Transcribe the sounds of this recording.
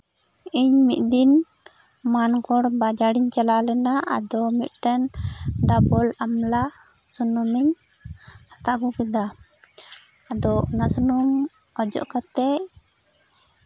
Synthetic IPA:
iɲmit̪̚ˀd̪in | mankɔɽbad͡ʒaɽiɲt͡ʃalalɛnaʔa̰d̪ɔmit̪̚ʈɛnɖabɔlamla | sunumiɲ | hat̪aɡukid̪a | ad̪ɔʔɔnaʔsunum | ɔd͡ʒɔ̰ʔkat̪ɛʔ

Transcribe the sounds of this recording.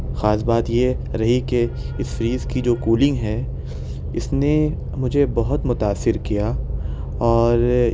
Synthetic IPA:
xaːsbaːt̪je | ɾɐɦike | ɪsfɾiːzkid͡ʒoːkuːlɪ̃ŋɡɦɛː | ɪsne | mʊd͡ʒʱebɐɦʊt̪mʊt̪aːsːɪɾkija | ɔːɾ

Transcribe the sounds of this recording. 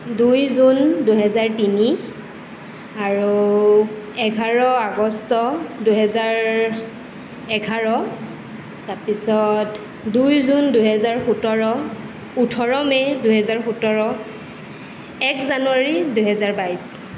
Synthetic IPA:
dujzunduɦɛzaɹtini | aɹu | ɛɡʱaɹɔaɡɔstɔduɦɛzaɹ | ɛɡʱaɹɔ | taɹpisɔt | dujzunduɦɛzaɹxutɔɹɔ | utʰɔɹɔmɛduɦɛzaɹxutɔɹɔ | ɛkzanuwaɹiduɦɛzaɹbajs

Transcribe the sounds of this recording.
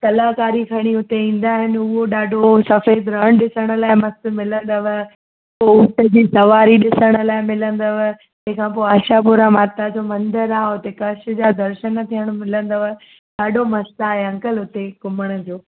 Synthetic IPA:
t̪ɐlaːkaːɾikʰɐɽ̃iʊt̪eĩːn̆d̪aːɦɪnɪʊɦoɗaːɖʱosɐfeːd̪ɾəɽ̃ɗɪsəɽ̃ə̆laːɪmɐsmɪlə̃nd̪əʋə | pːoʊʈəd͡ʑiːsɐʋaːɾiɗɪsəɽ̃ə̆laːɪmɪlə̃nd̪əʋə | d͡ʑɐ̃ɦkʰãpoɪaːʃapʊɾamaːt̪ad͡ʑoːmɐ̃nd̪əɾaːʊt̪ekɐʃ̆d͡ʑad̪ɐɾʃənt̪ʰijəɽ̃mɪlə̃nd̪əʋə | ɗaːɖʱomɐst̪aːɦeɐ̃ŋkəlʊt̪ekʊməɽ̃ə̆d͡ʑoː

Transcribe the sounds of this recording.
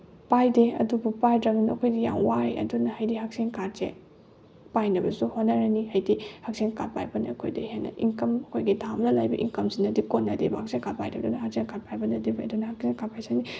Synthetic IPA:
pajdeɐ̰dubupajdɾɐbɐnuɐkʰojdija̰ŋwaeɐ̰dunɐhajdihak̚seŋkazḛ | pajnɐbɐsuhonːɐɾɐnihajdihɐk̚seŋka̰t̚pa̰jbɐnɐɐkʰo̰jdehenɐ̰ʔiŋkɐmɐkʰojɡitʰamlɐlajbɐʔḭŋkɐmzinːɐdikotnːɐdebɐhak̚seŋkat̚pa̰jdɐbdunɐhak̚seŋkat̚pajbɐnɐdibaɐdunɐhak̚seŋkapʰajsani

